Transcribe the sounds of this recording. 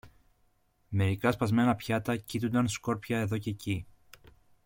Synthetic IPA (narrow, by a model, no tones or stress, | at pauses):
me̞ɾikɐspɐzme̞nɐpçɐt̪ɐcit̪und̪ɐnsko̞ɾpçɐe̞ðo̞ce̞ci